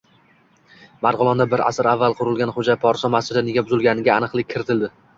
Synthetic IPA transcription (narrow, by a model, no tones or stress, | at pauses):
maɾʁʊlˠɒnd̪abɪɾa̰sɪɾavːalˠqʰʊɾɪlˠɡʲanχod͡ʒapʰɒɾsɒmasɪd̪anɪɡʲabʊzɪlɡʲanɪɡʲaːnɨqlˠɪkʲʰːɪɾɪt̪ʰɪld̪ɪ